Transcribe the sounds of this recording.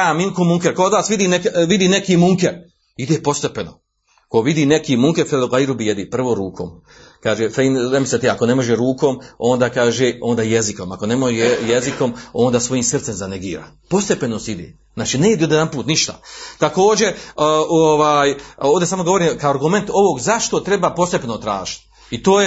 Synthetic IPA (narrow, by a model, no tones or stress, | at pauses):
aminkomuŋkeɾkood̪ʋaːsʋid̪iːnekʋid̪iːnekiːmuŋkeɾ | id̪eːpo̞st̪epeno̰ | koʋid̪iːnekiːmuŋkefeloɡaiɾubijed̪ipr̩ʋo̞ːɾuːkʰo̰ːm | kaːʒefejnnemiset̪eakonemo̞ʒeɾuːkomo̞nd̪aːkaːʒeoːnd̪aːjeziko̞mako̞nemoʒeejeziko̞mo̞ːnd̪aːsʋo̞jiːmsrt̪se̞mzaneɡiːɾa̰ː | po̞st̪e̞penost̪id̪ḛ | znaːt͡ʃineid̪iod̪ed̪anpuːt̪niʃt̪a̰t̪ako̞ːd͡ʑe̞oʋaːjoːʋd̪esaːmoɡo̞ʋo̞ɾiːmkaoaɾɡume̞nt̪o̞ʋo̞ɡzaʃt̪o̞t̪ɾe̞baːpo̞st̪epenot̪ɾaːʒi̥t̪ | it̪oːje